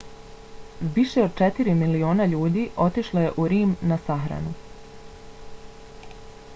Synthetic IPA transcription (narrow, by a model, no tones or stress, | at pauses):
ʋiʃe̞od̪̚t͡ʃet̪iɾimilio̞ːnaʎuːd̪iʔo̞t̪iʃlˠoje̞ʔuɾiːmnasaxɾa̰nu